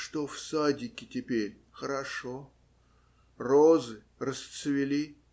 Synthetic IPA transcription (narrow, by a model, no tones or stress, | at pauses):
ʂt̪ofsadʲɪkʲɪtʲɪpʲeɾʲ | xəɾɐʂo | rozɨ | rəst̪sɨvʲɪlʲi